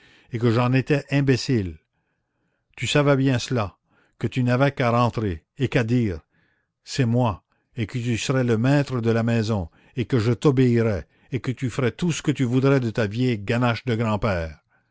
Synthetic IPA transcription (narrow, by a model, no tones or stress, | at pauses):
ekəʒɑ̃net̪ɛʔɛ̃besil | t̪ysavɛbjɛ̃səla | kət̪ynavɛkaʁɑ̃t̪ʁeː | kad̪iːʁ | sɛmwa | ekət̪ysəʁɛləmɛt̪ʁəd̪əlamɛzɔ̃ | ekəʒət̪ɔbeiʁɛ | ekət̪yfəʁɛt̪usə̥kət̪yvud̪ʁɛd̪ət̪avjɛjɡanaʃd̪əɡʁɑ̃pɛːʁ